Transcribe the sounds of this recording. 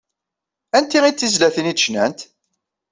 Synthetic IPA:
ænt̪ːiʁit͡s̪ːizlæθənid̪ʃnæ̰nt̪

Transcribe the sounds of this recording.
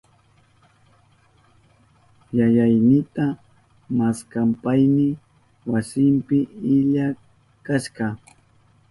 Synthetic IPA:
jajajnɪt̪a | maskampajnɪ | wasɪmpɪɪʎa | kaʃɢɑ

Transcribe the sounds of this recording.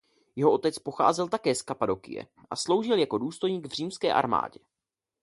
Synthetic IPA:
jɛɦoʔo̞t̪ɛt͡spo̞xa̰ːzɛlt̪akɛːskapado̞kɪ̰jɛ̰ | ʔaslo̞wʒɪljako̞duːst̪o̞jɲiːɡvr̝iːmskɛ̰ːʔa̰ɾma̰ːɟɛ

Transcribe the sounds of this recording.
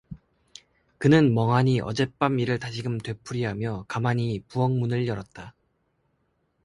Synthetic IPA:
kɯnɯnmʌŋɦaɲiʔʌ̰d͡ʑe̞p͈amiɾɯɭtaɕʰiɡɯmtwe̞pʰuɾiɦamjʌkamaɲipuʌŋmunɯɭjʌɾʌt̚t͈a

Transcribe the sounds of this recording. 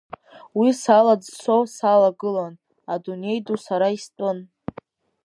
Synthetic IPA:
wisalad͡zsowsalaɡɨlan | adune̞jdusaɾaistʼɨn

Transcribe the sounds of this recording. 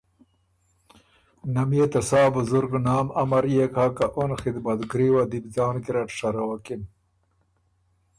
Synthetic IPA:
nɐmjet̪ɐsɑːbʊzuɾɡnaːmɐmɐɾjekaːkaʔonxid̪mɐt̪ɡɾiwad̪ibzaːnkiɾɐʈʂɐɾɐwakin

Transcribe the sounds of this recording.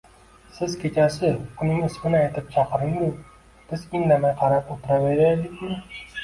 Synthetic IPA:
sɪzkʲʰet͡ʃasɪʊnɪŋɪsmɪnɪajt̪ʰɪp̚t͡ʃʰɑqɨɾɪŋd̪ʊ | b̥ɪzɪnd̪amajqʰɑɾapot̪ʰɪɾaveɾaed̪ɪkʲmɪ

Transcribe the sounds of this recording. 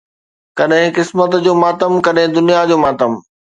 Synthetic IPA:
kɐɗɦɪ̃kɪsmət̪d͡ʑoːmaːt̪əmkɐɗɦɪ̃d̪ʊnijad͡ʑoːmaːt̪əm

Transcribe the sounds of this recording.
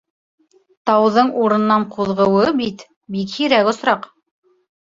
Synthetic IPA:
t̪ɑwðɤɴuɾɤ̆nːɑɴqʰuðʁɤ̆wɤbit̪ | bikhiɾækŏsɾɑq

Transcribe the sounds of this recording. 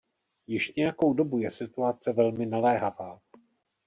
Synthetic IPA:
jɪʃɲɛjako̞wdo̞bujɛsɪt̪uat͡sɛvɛlmɪnalɛːɦavaː

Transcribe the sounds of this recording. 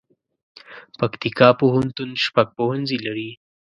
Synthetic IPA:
pakt̪ikɑpoɦʊnt̪unʃpaɡ̚pohunzilaɾi

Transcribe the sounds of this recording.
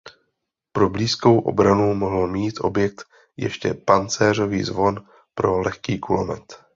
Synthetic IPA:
pɾo̞bliːsko̞wʔo̞̰bɾanumo̞ɦl̩miːt̪ʔo̞̰bjɛk̚t̪ | jɛ̰ʃcɛ̰pant͡sɛːr̝o̞vḭːzvo̞n | pɾo̞lɛxkiːkulomɛ̰t̪

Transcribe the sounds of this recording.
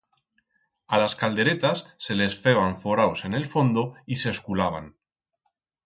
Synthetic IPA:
alaskald̪e̞ɾe̞t̪asːe̞le̞sfeβaɱfo̞ɾaose̞ne̞lfo̞nd̪o̞iseskulaβ̞a̰n

